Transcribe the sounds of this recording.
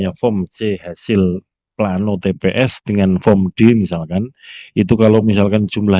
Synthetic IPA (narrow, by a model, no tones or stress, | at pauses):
afɔmt͡ʃeɦasɪl | planot̪epeʔɛsd̪̥əŋanfɔmɖ̥e̤misalkanit̪ukalomis̬alkan̥ʒ̥ṳmla